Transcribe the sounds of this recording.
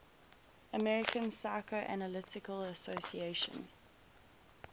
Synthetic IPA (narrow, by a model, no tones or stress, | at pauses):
əmɛɹɪkə̃nsaɪkʰɹəʔæ̰nəlɪtɪkələsosieʃə̰̃n